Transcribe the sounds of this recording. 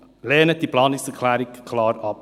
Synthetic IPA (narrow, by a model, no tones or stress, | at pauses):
lɛːnət̚d̥iplɑːnɪksɛkʰlæːɾɪkʰlɑːɾɑp